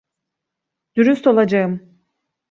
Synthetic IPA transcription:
d̪̥uɾyst̪o̞lˠad͡ʒaɯm

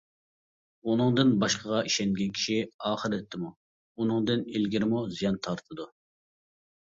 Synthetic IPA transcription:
unɨŋd̪ɨnbɑʃqʰəʁɑiʃɛnɡʲɛnkʲʰi̥ʃiɑːχəɾɨt̪ʰːɪmu | unɨŋd̪ɨnelɡʲiɾɪmuzijɑnt̪ʰɑɾt̪ʰɨd̪u

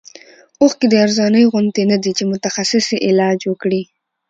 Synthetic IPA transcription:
oxked̪əaɾzɑnəjɣʊnd̪enad̪it͡ʃemʊt̪axasɪseʔɪlɑd͡ʒwəkɽi

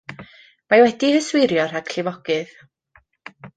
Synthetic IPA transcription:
majwɛdihəswɪɾjɔraɡʰɬɪvɔɡ̥ɨð

